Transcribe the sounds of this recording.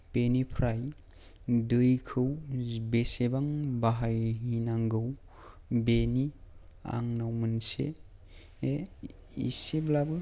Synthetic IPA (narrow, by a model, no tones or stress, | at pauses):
penipʰɾaj | dɯjkʰɯwbesebaŋbaɦajɦinaŋɡɯw | benia̰ŋnawmɯnsḛ | e | ḭseblabɯ